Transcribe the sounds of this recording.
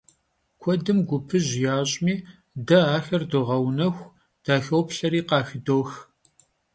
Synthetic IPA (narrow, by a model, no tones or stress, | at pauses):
kʷʰɔdɨmɡʷʊpʰɨʑjaːɕʼmiː | dɐaːxɐrdɨʁɐwnɐxʷ | d̥aːxɐwpɬɐɾiːqɑːxɨdoːx